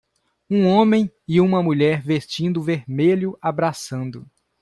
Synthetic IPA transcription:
ũõmẽj̃ | ɪũmɐmuʎɛɾvest͡ʃĩnd̪ʊveɾmeʎʊabɾasɐ̃nd̪ʊ

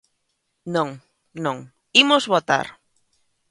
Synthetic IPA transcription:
nõŋ | nõŋ | imozβot̪a̰ɾ

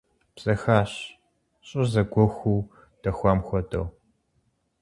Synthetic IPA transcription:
b̥sʼɐxaːɕ | ɕʼʊzɐɡʷɔxʷuw | d̥ɐxʷaːmxʷɔtʰʼɐ̰w

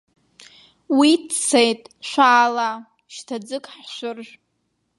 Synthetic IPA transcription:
witt͡sʰejtʼʃʷaːla | ʃtʰad͡zɨkʼħʃʷʊrʒʷᶣ

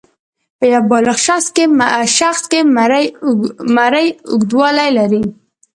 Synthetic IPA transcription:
pəjawbɑlaxʃɑskeʃaxskemɾ | maɾəjʊ̰ɡd̪wɑlajlaɾi

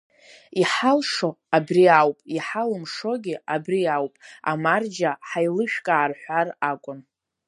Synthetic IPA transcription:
iħalʂoabriawpʼiħalɨmʂo̞ɡʲɪabriawpʼa̰mard͡ʒaħajlɨʃᶣkʼaːrħʷarakʷʼʊn

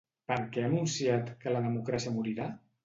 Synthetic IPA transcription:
pəɾkɛənunsiat̪kələðəmukɾasiəmuɾiɾa

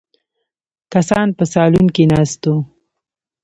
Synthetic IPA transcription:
kasɑnpəsɑlunkinɑst̪o

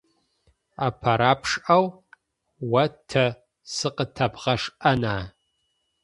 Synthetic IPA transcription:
apʰɐɾaːpʰʂaw | wɐtʰɐ | sɨqʼətʰɐbʁɐʂʔɐnaː

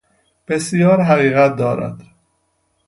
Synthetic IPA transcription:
b̥esjɒːɾɦæɣiːɣæt̪̚d̪ɒːɾæ̰d̪̥

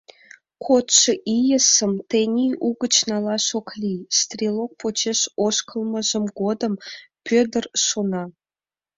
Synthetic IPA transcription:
kʰot̪ʃɤʔijə̆sə̆mt̪enʲiʔuɡə̆t͡ɕnɑlˠɑʃoklʲist̪rʲilˠok̚pʰot͡ɕeʃoʃkə̆lˠmə̆ʒə̆mɡod̪əmpʲød̪ərʃonɑ

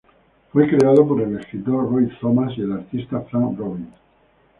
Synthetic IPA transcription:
fwe̞kɾeaðopoɾe̞leskɾit̪orojt̪omasielaɾt̪ist̪afɾanroβin

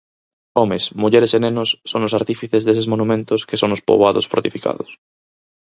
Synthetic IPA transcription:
omesmuʎeɾesenẽnosːonosaɾt̪ifiθezðes̬ezmonũmẽnt̪oskesonospo̰βaðosfoɾt̪ifika̰ðos

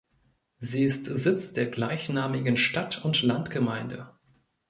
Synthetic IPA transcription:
ziːɪstz̥ɪt͡sd̥eːɐɡlaɪçnaːmɪɡən̩ʃtatʰʊntlantɡ̥əmaɪndə̰

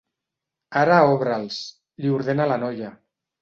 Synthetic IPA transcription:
aɾaɔβɾalˠs | ʎiuɾðenalanɔʎa

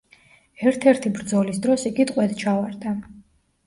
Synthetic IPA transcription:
ɛɾt̪ʰɛɾt̪ʰibɾd̪zɔlisd̪ɾɔsiɡit̪ʼqʼwɛd̪t͡ʃʰavaɾd̪a

